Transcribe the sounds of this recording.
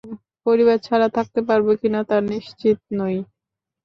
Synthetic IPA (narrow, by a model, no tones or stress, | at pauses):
poɾiβaɾt͡ɕʰaɾat̪ʰak̚t̪epaɾbekinat̪aɾniʃt͡ɕit̪̚noj